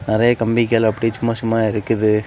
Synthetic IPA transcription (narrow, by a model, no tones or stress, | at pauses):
nɪɾɐjɐkɐmbɪk̬ːejɐlɐpːɐɽit͡ʃʊmːɐsʊmːaːɪɾɯkːɯðɯ